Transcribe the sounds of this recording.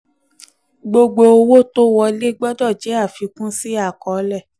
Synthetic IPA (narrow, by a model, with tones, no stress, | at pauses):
ɡ͡bo˧ɡ͡bo˧o˧wo˦to˦wɔ˧le˦ɡ͡bɔ˦dɔ˦˨d͡ʒɛ˨˦a˦˨fi˧kũ˦si˦a˦˨kɔ˨˦lɛ˦˨